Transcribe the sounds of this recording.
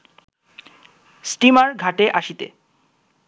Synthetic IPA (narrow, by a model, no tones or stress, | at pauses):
sʈimaɾɡʱaʈeʔaʃit̪ḛ